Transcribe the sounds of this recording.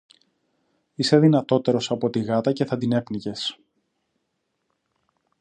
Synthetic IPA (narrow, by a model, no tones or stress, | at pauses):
ise̞ðinɐt̪o̞t̪e̞ɾo̞sɐpo̞t̪iɣɐt̪ɐce̞θɐd̪ine̞pnice̞s